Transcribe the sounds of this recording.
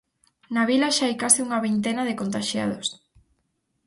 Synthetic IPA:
naβilaʃaajkasiuŋɐβint̪enaðekont̪aʃja̰ð̞os

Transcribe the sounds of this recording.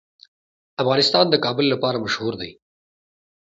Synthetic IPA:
ɐfɣɑːnɪst̪ɑːnd̪əkɑːbɪlːapɑːɾamɐʃhuːɾd̪ḛj

